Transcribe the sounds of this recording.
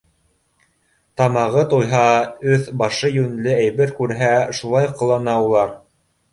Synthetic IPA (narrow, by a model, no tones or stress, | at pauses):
t̪ɑmɑʁɤt̪ujɦɑɵθbɑʃɤjɵnlɘæjβɘɾkʉɾɦæʃulˠɑjqŏlˠɑnɑulˠɑɾ